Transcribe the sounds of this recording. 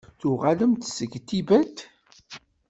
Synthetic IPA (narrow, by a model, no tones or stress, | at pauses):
θʊʁaləmt̪səɡt̪ːibæt̪